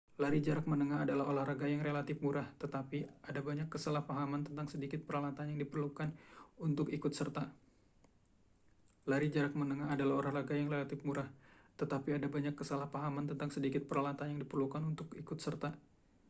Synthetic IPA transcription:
laɾid͡ʒaɾak̚mənəŋaadalaholahraɡajaŋrelat̪ɪfmuɾaht̪ət̪apiadabaɲakːəsalahpaɦamant̪ənt̪aŋsədikɪt̪̚pəɾalat̪anjaŋdipərlukanunt̪ʊkikʊt̪sərt̪a | laɾid͡ʒaɾak̚mənəŋaːdalaholahraɡajaŋrelat̪ɪfmuɾaht̪ət̪apiadabaɲakːəsalahpaɦamant̪ənt̪aŋsədikɪt̪̚pəɾalat̪anjaŋdipərlukanunt̪ʊkikʊt̪sərt̪a

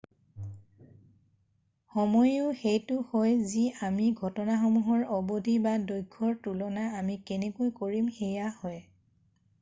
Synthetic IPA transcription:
xɔmɔjʊxejtʊxɔjziamiɡʱɔtɔnaxɔmuɦɔɹɔbodʱibadojɡʱːɔɹtulɔnaːmikenekojkoɹimxejahɔj

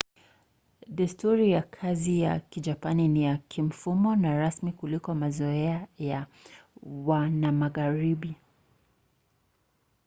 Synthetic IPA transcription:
dɛstuɾijakʰazija̰kid͡ʒapaninijakʰim̩fumɔnaɾasmikulikɔmazɔɛaja | wanamaɣaɾiɓi

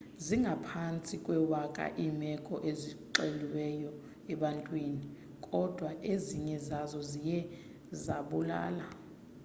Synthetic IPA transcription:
ziŋɡʱapʰant͡sʼikʼwɛwakʼa̰ʔimɛkʼɔʔeziǃeliwɛjɔ | ɛɓantʼwini | kʼɔd̥ʱwaʔeziɲɛzazɔzijɛ | zaɓula̰ːla

